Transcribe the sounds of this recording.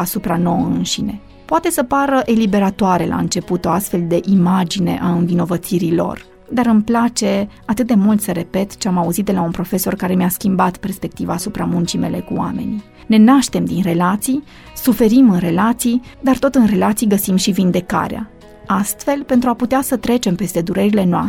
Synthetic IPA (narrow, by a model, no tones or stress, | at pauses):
asupɾano̞ɨnʃine̞̰ | poat̪e̞səpaɾəʔe̞libe̞ɾat̪oaɾe̞la̰ɨnt͡ʃe̞put̪o̞ast̪fe̞ld̪e̞ʔimad͡ʒine̞̰ʔaɨnvino̞vət̪siɾilo̞̰r | d̪aɾɨmplat͡ʃe̞at̪ɨt̪̚d̪e̞mult̪səɾe̞pe̞t̪t͡ʃeamauzit̪d̪e̞launpɾo̞fe̞so̞rkaɾe̞measkʲimbat̪pe̞rspe̞k̚t̪ivaːsupɾamunt͡ʃime̞̰le̞kuwa̰me̞̰ni | ne̞naʃt̪e̞md̪inre̞lat̪sij | sufe̞ɾimɨnre̞lat̪sijd̪art̪o̞t̪ɨnre̞lat̪sijɡəsimʃivind̪e̞ka̰ɾea̰ | ast̪fe̞lpent̪ɾuaput̪easət̪ɾe̞t͡ʃe̞mpe̞st̪e̞d̪uɾeɾile̞noa̰